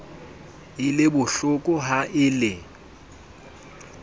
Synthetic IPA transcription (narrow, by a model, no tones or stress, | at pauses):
ɪlɪbʊɬʊkʼʊɦaʔɪlɪ